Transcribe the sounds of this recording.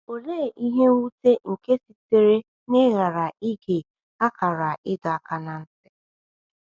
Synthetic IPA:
o˨le˦˨ʔi˦ɦe˦wu˦te˦ŋ̩˨ke˦si˨te˨ɾe˦ | nɪ˦ɣa˨ɾa˨i˦ɡe˨ | a˦ka˨ɾa˨ʔɪ˦dɔ˨a˦ka˨na˨n̩˦sɪ˦

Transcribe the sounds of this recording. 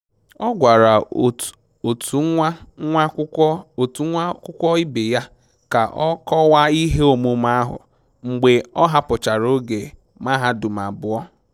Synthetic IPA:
ɔ˦ɡʷa˨ɾa˨ | o˨tʰu˨˦a˦a˦˨tkʷʊ˦kʷɔ˦ɪ˦bɪ˨ja˦ | ka˨ʔɔ˦kɔ˦wa˦i˦ɦe˦o˨mu˨˦ma˦a˦ɦʊ̰˨ | ŋ͡m̩˨ɡ͡be˨ɔ˦ɦa˦pʊ˨t͡ʃa˨ɾo˦ɡe˨ | ma˦ɦa˦du˨ma˨bʊ˨ɔ˦

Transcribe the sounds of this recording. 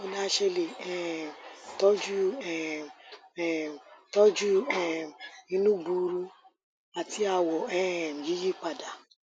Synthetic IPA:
o˦na˦ʃe˦le˨ɛ˨tɔ˦d͡ʒu˦ɛ˨ | tɔ˦d͡ʒu˦ɛ˨i˦nũ˦ɡ͡bu˨˦ɾu˦ | a˨ti˦a˨wɔ˨ɛ˦˨m̩˨ji˦ji˦k͡pa˨da˨

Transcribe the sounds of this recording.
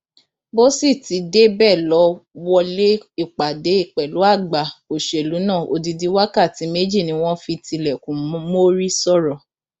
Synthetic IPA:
bo˦si˦˨ti˨˦de˦bɛ˦˨lɔ˨˦wɔ˧le˦i˦˨k͡pa˨de˨˦i˦˨k͡pɛ˨lu˨˦a˦˨ɡ͡ba˨o˨ʃe˨lu˨˦nã˦˨ʔo˧di˧di˦wa˦ka˦˨ti˨˦me˦d͡ʒi˦˨nĩ˧˦w̃ɔ̃˦fi˧ti˧lɛ˨kũ˨˦mo˦ɾi˦sɔ˦˨ɾɔ˨

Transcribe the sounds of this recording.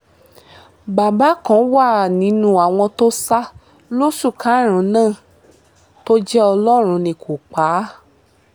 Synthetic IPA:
ba˨ba˨˦kɔ̃˨˦wa˦˨nĩ˨˦nũ˦a˨w̃ɔ̃˧to˦sa˦ | lo˦su˦˨kʰa˨˦˨ɾ̃ũ˨˦nãː˦˨ | to˦d͡ʒɛ˦ɔ˧lɔ˦ɾ̃ũ˧nĩ˧kʰo˨k͡pa˨˦

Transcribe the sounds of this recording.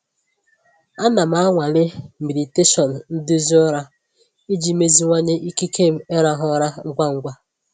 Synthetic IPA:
a˦na˨m̩˦a˦ŋʷa˨lɪ˦mi˨di˨te˦ʃɔ˨n̩˨n̩˦dʊ˦zi˦ɔ˦ɾa˦ | i˦d͡ʒi˨me˦zi˦ŋʷa˦ɲe˦ʔi˦ki˦kʰe˦˨m̩˦e˦ɾa˦ɦɔ˦ɾa˦ŋ̩˦kʷa˦ŋ̩˦ɡʷa˦

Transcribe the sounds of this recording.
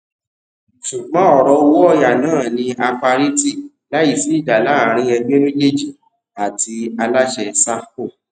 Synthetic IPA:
sũ˨k͡pã˦ɔ˦˨ɾɔ˧˦˧wɔ˦ɔ˧ja˨nãː˦˨nĩ˧a˧fa˧ɾi˦ti˦˨ | la˨˦i˦˨si˨˦i˦˨da˨la˨˦˨ɾ̃ĩ˧˦ɛ˧ɡ͡be˦mẽ˦le˦d͡ʒi˦˨ | a˨ti˧a˧la˦ʃɛ˧sa˦ko˦˨

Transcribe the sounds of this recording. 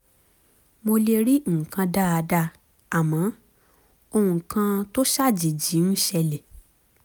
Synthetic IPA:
mo˧le˧ɾi˦˨kã˧da˦˨a˧da˧ | a˨mã˨˦ | o˧hũ˨kã˧to˦ʃa˦˨d͡ʒi˨d͡ʒi˨˦n̩˦ʃɛ˧le˨

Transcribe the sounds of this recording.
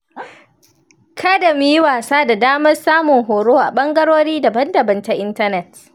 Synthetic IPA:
kʰa˦da˨mi˦jwaː˨saː˦da˨daː˦mɐ˦rsaː˦mʊ˨ŋɦoː˨ɽoː˦ʔa̰˨ɓɐ˦ŋɡɐ˦ɽoː˦ɽiː˦dɐ˨bɐ˦ndɐ˨bɐ˨nta˦ʔɪ˦ntɐ˦nɛ˨t

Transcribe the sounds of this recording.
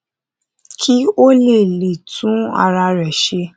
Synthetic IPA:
kʰi˦o˦le˦˨le˨tʰũ˨˦a̰˨ɾa˧ɾɛ˨ʃe˧

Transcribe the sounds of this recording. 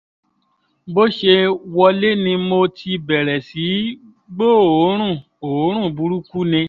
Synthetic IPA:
bo˦ʃe˧wɔ˧le˦nĩ˧mo˧tʰi˧bɛ˨ɾɛ˨si˨˦ | ɡ͡bo˦˨o˨˦ɾ̃ũ˦˨ | o˨˦ɾ̃ũ˦˨bu˨˦ɾu˦ku˦nĩ˧

